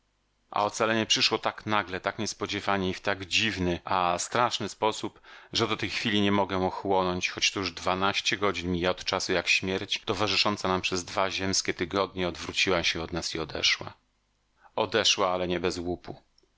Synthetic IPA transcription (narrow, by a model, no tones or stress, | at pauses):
ʔa̰ɔt̪salɛɲɛpʂɘʂwɔt̪aknaɡlɛt̪akɲɛspɔd͡ʑɛvaɲɛift̪aɡd͡ʑivnɘʔast̪ɾaʂnɘspɔsupʐɛd̪ɔt̪ɛjxfʲilʲiɲɛmɔɡɛɔxwɔnɔɲt͡ɕxɔt͡ɕt̪uuʐd̪vanaɕt͡ɕɛɡɔd͡ʑinmʲijaɔt̪t͡ʂasujakɕmʲjɛɾt͡ɕt̪ɔvaʐɘʂɔnt̪sanampʂɛzd̪vaʑɛmskʲɛt̪ɘɡɔd̪ɲɛɔd̪vɾut͡ɕiwaɕɛɔd̪nasiɔd̪ɛ̰ʂwa̰ | ɔd̪ɛʂwaalɛɲɛbɛzwupu